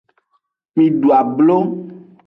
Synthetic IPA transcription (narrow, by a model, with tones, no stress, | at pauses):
mĩ˨ɖu˨a˨blo˦